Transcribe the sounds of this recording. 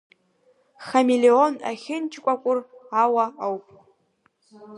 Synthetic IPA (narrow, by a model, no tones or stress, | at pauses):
χamileona̰χʲɪnt͡ʃʰkʷʼakʷʼʊrawaawpʼ